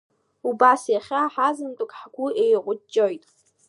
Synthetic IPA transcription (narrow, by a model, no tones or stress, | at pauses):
ubasjaχʲaħazɨntʼʊkʼħɡʷʊejqʷʼʊt͡ʃʼːojtʼ